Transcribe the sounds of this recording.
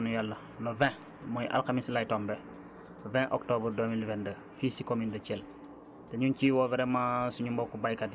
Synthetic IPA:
nujalːɐ | lovɛ̃ | mɔjʔa̰lxamislajtɔmbɛ | vɛ̃ʔɔ̰k̚tobəɾdomilvɛndə | fisikomindət͡ʃɛl | tɛɲunciwɔvɛɾɛmasuɲumbokubajkadi

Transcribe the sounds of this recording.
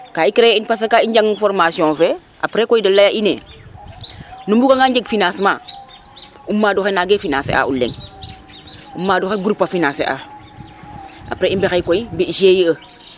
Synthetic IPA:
kaikɾeinpas̬akaiɲd͡ʒaŋfoɾmasiɔ̃fe | a̰pɾekoidɐlːajaʔinḛː | numbukaŋaɲd͡ʒeɡfinãːsmãː | umːaːduxenaɡefinã̰ːsḛa̰ṵlːḛŋ | umːaːduxeɡɾupːafinãːsḛʔa̰ː | a̰pɾeimbexejkoimbiʃeːjiə

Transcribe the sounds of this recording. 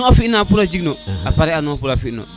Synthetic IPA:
afiinapuɾad͡ʒiɡinɔapaɾɛanũapuɾafinɔ̰

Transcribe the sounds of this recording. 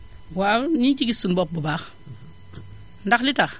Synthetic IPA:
waɲikiɡisunbɔp̚bubax | ndaxlitax

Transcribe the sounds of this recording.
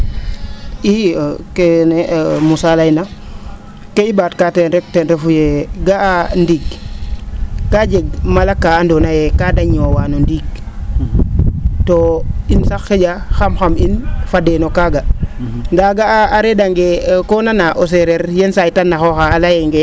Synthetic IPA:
ikenemusalaina | keibaːtkateɾek̚tenɾefujeɡaandiɡ̚ | kad͡ʒeɡ̚malakːaːndonajekadaɲowaːnondiɡ̚ | toinsaxːeɟaxamxaminfadenokaːɡaŋɡaɡaaːɾedaŋɡekonanaʔos̬eɾeɾjensajtanːaxoxaːlajeŋɡe

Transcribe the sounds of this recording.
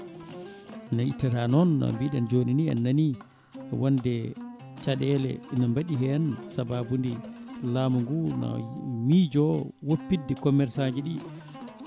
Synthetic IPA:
naḭtːatanɔnːa̰mbiɗand͡ʒoninia̰nːanḭ | wɔndɛ | t͡ʃaɗɛlɛ̰inambaɗiɦɛansababundilaːmuŋɡunɔ̰mid͡ʒɔwopːidːɛkɔmːɛɾsad͡ʒiɗi

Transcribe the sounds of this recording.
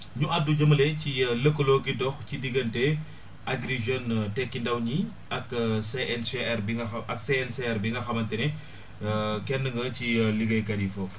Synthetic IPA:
ɲuʔadːuɟɐmɐlɛcilɐkːɔlokidɔxcidiɡɐntɛ | ʔɐɡɾiʒɔntɛkːindɐwɲi | ɐkseɛnseɛrbiŋɡɐɐʔɐkseɛnseɛrbiŋɡɐxɐmɐntɛnɛ | kɛnːəŋɡɐciliɡɐjkɐɾifɔf

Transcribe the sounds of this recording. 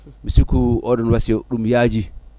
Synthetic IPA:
misukuɔɗɔnwasijɔɗumjaːd͡ʒi

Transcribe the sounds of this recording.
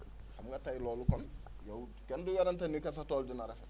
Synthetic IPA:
hamukatailɔlukɔnɔjau | kɛndujaɾantɛnikas̬atɔludinaɾafɛ

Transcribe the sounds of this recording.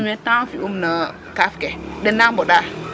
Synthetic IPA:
metãfiʔumnə | kafkeɗənamboɗa

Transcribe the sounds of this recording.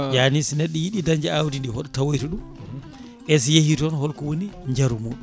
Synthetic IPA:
janisnɛɗːɛjiɗidaɲd͡ʒɛawdindihɔɗɔtawojtuɗum | ʔɛs̬jehitɔnhɔlkɔwoniɲd͡ʒaɾumuːɗu

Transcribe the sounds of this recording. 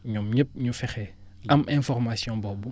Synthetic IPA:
ɲɔmɲəp̚ɲufɛxɛː | ʔɐmʔɛ̃fɔrmasjɔ̃bɔbu

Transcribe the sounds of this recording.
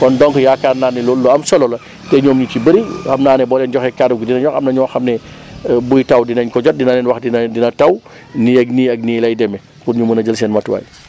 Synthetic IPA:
kɔndɔŋkjakarnaːnilɔlːuɐmsɔlɔlɐ | tɛɲɔːmɲucibɐɾixɐmnaːnɛbɔlɛnd͡ʒɔxɛkaduɡdinɐɲɔxɐmnɐɲɔːxɐmnɛbujtɐwdinɐɲkɔɟɔt̚dinanɛnwɐxdindinɐtɐw | niɐɡ̚niɐɡ̚niːlɐjdɛmɛ | kuɾɲumunɐd͡ʒəlsɛːnmɐtwa̰ːj

